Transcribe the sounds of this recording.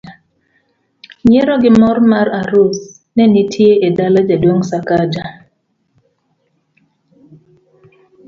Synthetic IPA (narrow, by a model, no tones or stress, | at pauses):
ɲeɾɔɡɪmɔrmaɾaɾus | nɛnitʰjeʔedalad͡ʒadoŋsakad͡ʒa